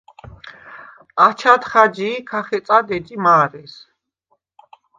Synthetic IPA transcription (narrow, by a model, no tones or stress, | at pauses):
at͡ʃʰat̪χad͡ʒiːkʰaχɛsʼad̪ɛd͡ʒʼimaːɾɛs